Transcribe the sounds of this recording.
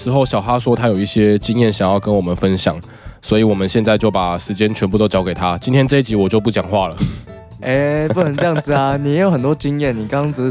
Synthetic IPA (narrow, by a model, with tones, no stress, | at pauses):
ʂɻ̩˧˥xo˥˩ʊɕjɑ˨˩ʊxa˦˥ʂwɔ˥t̪ʰa˥jo˨˩ʊi˥˩ɕjɛ˦t͡ɕi˦ŋjɛ˥˩nɕjɑ˨˩ŋjɑ˥˩ʊkə˦nwɔ˨˩mə˨˦nfə˦nɕjɑ̰˨˩˦ŋ | swɔ˧˥i˨wɔ˨˩mə˨˦nɕjɛ˥˧nt͡sa˥˧ɪt͡ɕjo˥˩ʊpa˨˩ʂɻ̩˧˥t͡ɕjɛ˥nt͡ɕʰɥɛ˧nmpu˥˧t̪o˥ʊt͡ɕjɑ˧˥ke˨˩ɪt̪ʰa˦t͡ɕi˥nt̪ʰjɛ˥nʈ͡ʂɤ˥˧i˥˩t͡ɕi˧˥wɔ˨˩t͡ɕjo˥˧pu˥˩t͡ɕjɑ˨˩ŋxwa˥˨lə˩ | e˥˧˦u˥˩ə˧˦nʈ͡ʂɤ˥˧jɑ˥˩ŋd͡z̩˩a˩ni˨jjo˧˥xə˨˩nt̪wɔ˥t͡ɕi˦ŋjɛ˥˨nnːi˨˩kɑ˥˦˥ŋt͡s̩˧